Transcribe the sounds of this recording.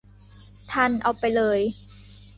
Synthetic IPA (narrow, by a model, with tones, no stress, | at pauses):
t̪ʰa˧˥˩nʔa˧wpa˧jlɤː˧j